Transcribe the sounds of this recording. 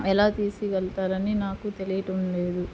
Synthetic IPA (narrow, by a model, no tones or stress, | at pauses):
ɛlaːt̪iːsiʋɛlt̪aːɾɐninaːkut̪e̞lijɐʈɐmle̞ːd̪u